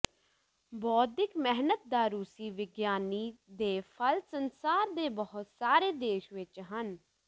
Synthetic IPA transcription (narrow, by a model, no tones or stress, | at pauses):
bɔːɪkmɛɦnət̪̚d̪aːɾuːsiːʋɪɡjaːniːd̪eːpʰəlsənsaːɾd̪eːbəɦʊt̪saːɾeːd̪eːʃʋɪt͡ʃɦən